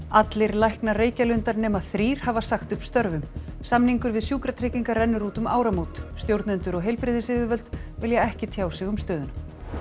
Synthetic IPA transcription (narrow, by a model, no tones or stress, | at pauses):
at̪lɪɾlajhknareːjcalʏnt̪aɾnɛːmaθɾiːɾ̥havasaxt̪ʏhpst̪œɾvʏmsamniŋkʏɾvɪðsjuːkɾat̪ʰɾejciŋkarɛnːʏɾuːt̪ʏma̰ːwɾamowt̪st̪jowɾt̪nʏnt̪ʏɾɔɣɦejlpɾɪðɪsɪvɪvœlt̪vɪljɛɛhcɪt̪ʰjaːwsɪɣʏmst̪œːðʏn